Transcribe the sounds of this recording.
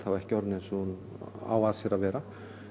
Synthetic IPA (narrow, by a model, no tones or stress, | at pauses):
θawvɛhcɔɾnɛnsɔn | a̰waːðsɛɾavɛːɾa